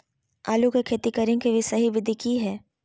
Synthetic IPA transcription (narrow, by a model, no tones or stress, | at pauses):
aːlukekʰeːt̪ikɐɾɪ̃ŋkeʋisɐɦiʋɪd̪ʱikiɦɛː